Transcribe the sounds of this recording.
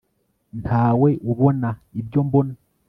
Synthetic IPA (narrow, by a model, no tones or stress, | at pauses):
ntʰaːwe̞ʔuβo̞naibjo̞mbona